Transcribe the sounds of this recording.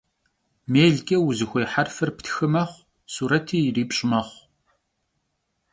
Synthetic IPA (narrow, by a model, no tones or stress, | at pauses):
meːɮkʲʼɐwʊzɨxʷeːħarfɨrptʰxɨmɐχʷ | suːɾɐtʰiːjriːpʼɕʼɪmɐχʷ